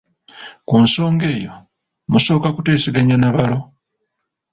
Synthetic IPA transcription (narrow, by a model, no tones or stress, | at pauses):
kunso̞ːŋɡe̞ːjo̞̰ | muso̞ːkakute̞ːsiɡaɲanaβalo̞